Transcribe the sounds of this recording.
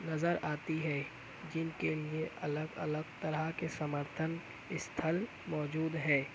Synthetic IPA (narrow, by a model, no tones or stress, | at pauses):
nɐzəɾaːt̪iɦɛː | d͡ʒɪnkelieʔɐ̰ləɡɐ̰ləɡ̚t̪ɐɾəkesɐməɾt̪ʰən | ɪst̪ʰəl | mɔːd͡ʒuːd̪ɦɛː